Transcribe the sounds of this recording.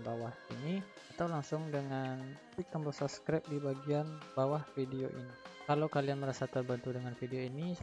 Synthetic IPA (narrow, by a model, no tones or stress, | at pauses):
bawahḭni | at̪awlaŋsʊŋdəŋantik̚əmbəsapskɾap̚dibaɡianbawahfidioʔinikalawkalianməɾasat̪ərbənt̪udəŋanfidioini